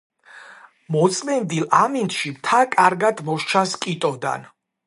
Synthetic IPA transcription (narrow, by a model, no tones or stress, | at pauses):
mɔt̪sʼmɛnd̪ilamint̪ʃimt̪ʰakʼaɾɡad̪mɔʃt͡ʃʰaskʼit̪ʼɔd̪a̰n